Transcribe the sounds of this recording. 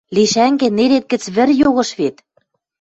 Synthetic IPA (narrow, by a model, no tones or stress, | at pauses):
liʃæŋɡĕneɾet̪̚kɘ̆t͡sβɘ̆rjoɣɤ̆ʃβet̪